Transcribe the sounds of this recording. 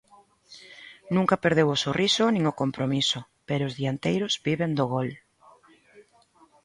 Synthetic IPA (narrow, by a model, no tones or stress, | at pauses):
nũŋkapeɾðewosorʔisʊnĩŋokompɾomiso | peɾʊːzðiant̪ejɾʊzbiβend̪oɣɔl